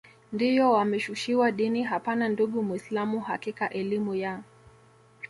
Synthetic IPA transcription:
ndijɔwamɛʃuʃiwaɗiniɦapananduɠumwislamuha̰kikaʔɛlimuja

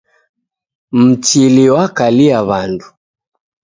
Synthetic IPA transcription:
m̩t͡ʃiliwakaliaβandu

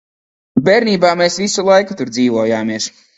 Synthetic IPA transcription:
bɛɾniːbaːmeːsvisulˠajkut̪uɾd̪ziːvɔɔjaːmiɛs

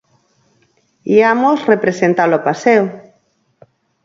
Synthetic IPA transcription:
iamosrepɾesent̪alopaseo

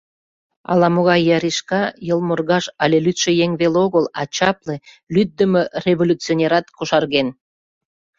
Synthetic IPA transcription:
ɑ̰lɑmoɣɑjːɑɾiʃkɑjəlˠmorɣɑʃɑlʲelyt̪ʃĕjeŋβeloɣəlɑt͡ɕɑple | lyd̪̚d̪əmørevolʲut͡sionʲeɾɑt̪kuʃɑrɣen

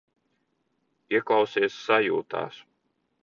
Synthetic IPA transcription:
iɛklawsiɛsːajṵːt̪a̰ːs

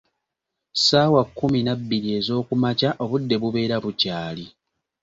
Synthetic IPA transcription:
saːwakːuminabːiɾie̞zo̞ːkumacaʔo̞βudːe̞βuβe̞ːɾaβucaːli

